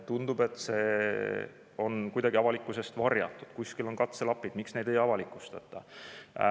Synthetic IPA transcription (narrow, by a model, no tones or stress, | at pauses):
t̪und̪ub̥e̞t̪ːˑse̞ː | o̞nkujd̪ɑɡiɑvɑlikːˑuse̞st̪vɑrjɑ̰t̪ːˑud̪̥kuskilo̞nkɑt̪se̞lɑpːˑid̪̥miksne̞jd̪e̞jɑvɑlikːˑust̪ɑt̪ːˑɑ̰